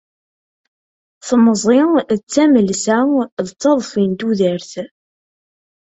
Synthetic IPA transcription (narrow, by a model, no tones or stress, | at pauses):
θməzˤɪt͡sːæməlsæðət͡sːɑðˤfint̪uðəɾθ